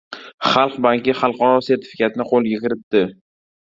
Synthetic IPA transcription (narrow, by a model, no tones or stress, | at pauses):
χɑlˠqbaŋkʲɪχɑlˠqɒɾɒse̞ɾt̪ʰɪ̥fɪ̥kʰʲat̪ɪnɪqʰolˠjɪkʲɪɾɪt̪ːɪ